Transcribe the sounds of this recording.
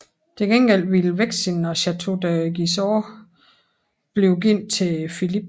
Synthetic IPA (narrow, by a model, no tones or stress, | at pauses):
t͡sʰeɡ̥enɡ̥el̰ʋiləʋeɡ̥sinɒɕæt͡sʰudæɡ̥isɔː | b̥liʊɡ̥in̰d̥̚t͡sʰe̝filib̥̚